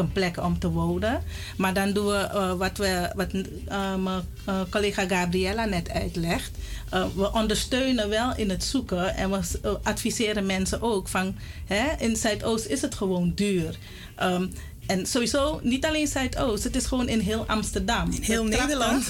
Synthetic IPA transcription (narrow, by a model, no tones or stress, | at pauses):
ənplɛkəɔmtəʋoːnə | maɹdɑndunʋəʋɑtʋəʋɑt | mə | koleːχaɡaːbriɛlanɛtœ̰ɥtlɛxt | əʋəʔɔndəɹstøːnəʋɛlˠɪnətsukəʔɛ̰nʋəʔɑtfisɪːɾənmɛnsəʔoːkfɑnhɛɪnsœɥtoːstɪsətχəʋoːndyːr | ʔə | ɛnsoʋizoːnitaleːnsœɥtʰowstɦətɪsχəʋoːnɪnɦɪːlˠʔɑ̰mstərdɑm